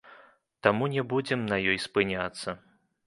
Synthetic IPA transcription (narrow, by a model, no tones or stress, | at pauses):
t̪amunʲɛbud͡zʲɛmnɐjɔjspɨnʲat̪sːɐ